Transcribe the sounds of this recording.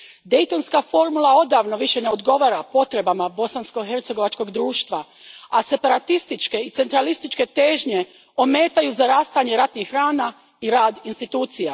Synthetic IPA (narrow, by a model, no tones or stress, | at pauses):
d̪e̞jt̪o̞nskafo̞ɾmulao̞d̪aːʋno̞ʋiʃe̞ne̞o̞d̪ɡo̞ʋaːɾapo̞t̪ɾe̞bamabo̞sansko̞ɦe̞ɾt̪se̞ɡo̞ʋat͡ʃko̞ɡd̪ɾuːʃt̪ʋa | ase̞paɾat̪ist̪it͡ʃke̞it̪se̞nt̪ɾalist̪it͡ʃke̞t̪e̞ːʒɲe̞ | ome̞ːt̪ajuzaɾaːst̪aɲe̞ɾat̪nixːɾaːna | iɾaːd̪inst̪it̪uːt̪sija